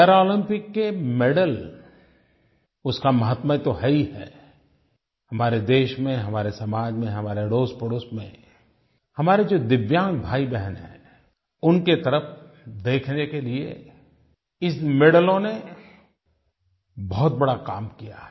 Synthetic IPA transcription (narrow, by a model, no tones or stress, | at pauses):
ɛːɾɔːlɪ̃mpɪkːemeɽəl | ʊskamɐɦət̪mə̃t̪oɦɐiɦɛ̰ː | hɐmaːɾed̪eːʃmẽɦɐmaːɾesɐmaːd͡ʒmẽɦɐmaːɾeɽoːspəɽoːsmḛ̃ | hɐmaːɾed͡ʒoːd̪ɪʋjãːŋk̚bʱaːibɛɦənɦɛ̰̃ː | ʊnket̪ɐɾəfd̪eːkʰnekeliḛ | ɪsmeɽəlõne | bɔɦʊt̪̚bɐɽaka̰ːmkija̰